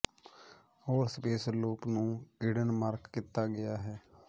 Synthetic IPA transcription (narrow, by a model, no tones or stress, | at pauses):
hoːɾspeːsəlːuːpnũːkɪɽənmaːɾkːɪt̪ːaːɡɪjaːɦɛː